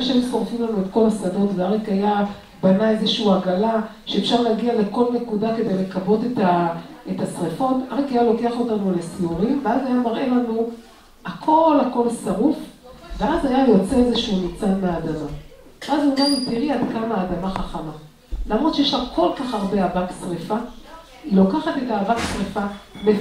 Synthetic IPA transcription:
eʃaimsoʁfimlanuetko̞lasado̞tveaʁekaja | banae̞zeʃuuaɡalaʃe̞efʃaʁleaɡiale̞ko̞lne̞kudake̞d̪e̞jle̞kabo̞tetaetasʁefo̞taʁekajalo̞ke̞aχo̞tanulesiuʁimveazajamaʁʔe̞lanu | akʰo̞lako̞lsaʁufveazajajo̞t͡se̞ezeʃunit͡sameːdama | veazujamitiʁiadkamaːdamaχaχama | lamʁod̪t͡ʃejeʃavko̞lkaχaʁbe̞avaksʁefa | ilo̞kaχate̞taːvaksʁefabe

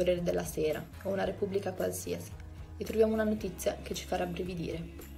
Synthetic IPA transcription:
oɾeːɾed̪elːaseːɾa̰ | ounaɾepubːlikakwalsḭːasi̥ | et̪ːɾovjaːmounanot̪it̪sːjaket͡ʃːi̥faɾabɾevid̪ḭːɾe

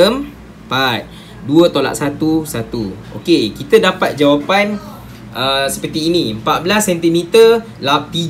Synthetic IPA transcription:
əm | pat̪̚ | duət̪ola̰ʔsat̪usat̪uʔo̰kekit̪ədapat̪̚d͡ʒawapan | ʔəsə̥pərt̪iːnĩəmpat̪̚bəlasːɛnt̪imit̪ə | lap̚t̪i

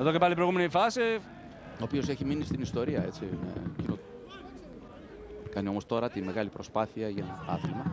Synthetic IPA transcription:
eðocepɐlipɾojɣumenifɐsi | oːpio̞se̞çiminist̪inist̪o̞ɾiɐe̞t͡siḛcino | kɐnio̞mo̞st̪o̞ɾɐt̪ime̞ɣɐlipɾo̞spɐθiɐʝɐɐ̰θilmɐ

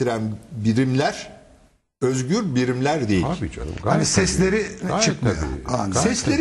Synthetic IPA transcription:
iɾænbiɾimlʲæɾ̥ | øzɟyɾbiɾimlʲæɾd̪ejibio̰anisɛslʲe̞ɾit͡ʃʰɯkmajo̰sɛslʲeɾ

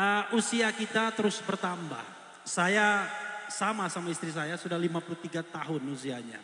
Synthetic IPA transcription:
ʔəusiakit̪at̪əɾʊsbərt̪amba̰h | sajasamasamaist̪ɾis̬ajasudahlimapulut̪iɡat̪aɦʊnusiaɲa̰

